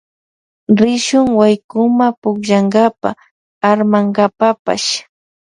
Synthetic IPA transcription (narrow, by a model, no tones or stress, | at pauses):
ɾɪʃʊŋwajkʊmapʊkʒaŋɢapa̰ | aɾmaŋɢapapa̰ʃ